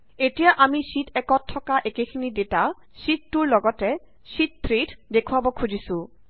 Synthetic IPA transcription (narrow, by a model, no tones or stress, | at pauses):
etijaʔamisitɛkɔtʰːɔkaʔekekʰinideta | sitːuɹlɔɡɔtɛ | sit̚pʰɹeddekʰʊabɔkʰud͡ʑʱisũ